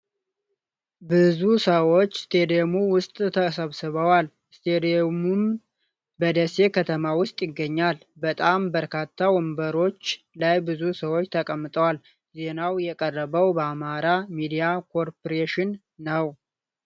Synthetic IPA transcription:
bɨzusəwo̞t͡ʃːst̪ʰed̪iomuwʊst̪ʼt̪ʰəsəβsɨβəwal | st̪ʰed̪mum | bəd̪əse̞kʰət̪ʰəmawʊst̪ʼjɪɡːəɲːalbət̪ʼambəɾkʰat̪ʰːawɔmbəɾo̞t͡ʃː | lajbɨzusəwo̞t͡ʃːt̪ʰəkʼəmːɨt̪ʼəwal | ze̞nawjɛkʼərːəβəwbəamaɾamid̪ijakʰo̞ɾpoɾeʃɪnː | əw

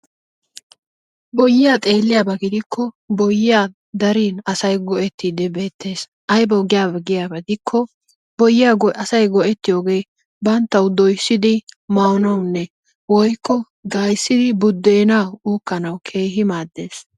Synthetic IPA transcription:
bɔjːɪjaːt̪ʼe̞ːlːɪjaːbɐɡɪd̪ɪkʰːɔ | bɔjːɪjaː | d̪ɐɾiːnɐsɐjɡɔʔɛt̪ːiːd̪ɪbe̞ːt̪ːe̞ːs | ʔɐjbɐɡɪjaːbɐɡɪjabɐd̪ɪkʰːɔ | bɔjːɪjaːɐsɐjɡɔʔɛt̪ːɪjo̞ːɡe̞ː | bɐnt̪ːɐwd̪ɔjsːɪd̪ɪmɐwnɐwnːɛ | wɔjkːɔ | ɡaːjsːɪd̪ɪbʊd̪ːeːnɐwuːkːɐnɐwkʰe̞ːɦɪmaːd̪ːeːs

